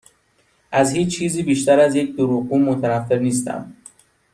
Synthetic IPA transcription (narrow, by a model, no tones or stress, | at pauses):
ʔæzhiːt͡ʃt͡ʃʰːiːziːbiːʃt̪æɾæzje̞c̚d̪oɾuːɣuːmot̪ʰænæfːe̞ɾniːs̬t̪æ̰m